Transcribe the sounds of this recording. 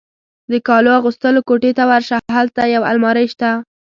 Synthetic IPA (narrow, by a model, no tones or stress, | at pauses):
d̪əkɑloaɣust̪əlokoʈet̪awaɾʃaɦalt̪ajawa̰lmɑɾəjʃt̪a